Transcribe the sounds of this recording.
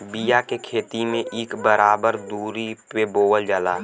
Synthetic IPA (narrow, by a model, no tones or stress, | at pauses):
bijakekʰeːt̪imẽʔɪːkbəɾaːbəɾd̪uːɾipeboːwəld͡ʒəlaː